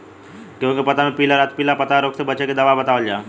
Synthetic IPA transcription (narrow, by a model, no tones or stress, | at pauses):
kĩʋə̃ŋkipət̪amepiləɾat̪̚pilapət̪aɾokt̪ebət͡ɕeked̪əʋabət̪aʋəld͡ʑa